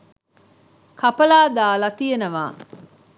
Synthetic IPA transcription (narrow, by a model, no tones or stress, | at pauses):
kɐpɐlaːd̪aːlɐt̪ijenəʋa̰ː